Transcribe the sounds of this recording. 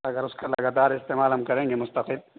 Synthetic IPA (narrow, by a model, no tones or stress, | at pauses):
ɐɡəɾʊskalɐɡaːt̪aːɾɪst̪eːmaːlɦɐmkɐɾẽːŋɡemʊst̪ɐqɪl